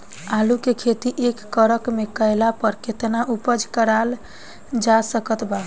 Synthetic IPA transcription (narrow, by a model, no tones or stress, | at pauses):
alukekʰet̪iʔekːəɾəkmekəjlapəɾket̪naʔupəd͡ʒkəɾal | d͡ʒasəkət̪ba